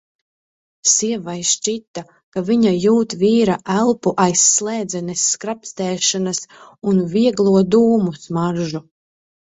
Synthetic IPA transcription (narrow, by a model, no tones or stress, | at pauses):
siɛvajʃt͡ʃit̪ːa | kaviɲajuːt̪viːɾaʔælˠpuʔajsːlˠɛːd̪zɛnɛsːkɾapst̪ɛːʃanasunviɛɡlˠuɔd̪uːmusmaɾʒu